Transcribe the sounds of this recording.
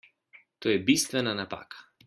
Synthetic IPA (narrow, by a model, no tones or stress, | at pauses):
t̪oːjɛbist̪vɛnanapa̰ːkḁ